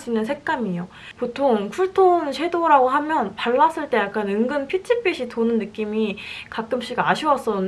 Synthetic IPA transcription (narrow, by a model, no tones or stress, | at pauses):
d͡ʑinɯnsʰe̞k̚k͈amijo | potʰoŋkʰuɭtʰonɕʰe̞doɾaɡoɦamjʌnpaɭːas͈ɯɭt͈e̞jak͈anɯŋɡɯmpʰit͡ɕʰip͈ʰiɕʰitonɯnːɯk͈imikak͈̚ɯmɕ͈ʰiɡaɕʰiwʌs͈ʌ